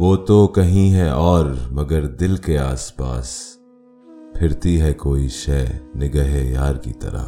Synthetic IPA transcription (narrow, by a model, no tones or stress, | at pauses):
ʋoːt̪okɐɦĩɦɛʔɔːɾmɐɡəɾd̪ɪlkeaːspa̰ːs | pʰɪɾt̪iɦɛkoːiʃɛːnɪɡəɦejaːɾkḭt̪ɐ̰ɾa̰ː